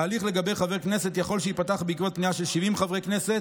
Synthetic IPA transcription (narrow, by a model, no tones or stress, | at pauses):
aːliχle̞ɡabe̞jχave̞kne̞se̞t̪jaχo̞lʃeipataχbeikvot̪̚pniaʃe̞lʃivimχavʁekne̞set̪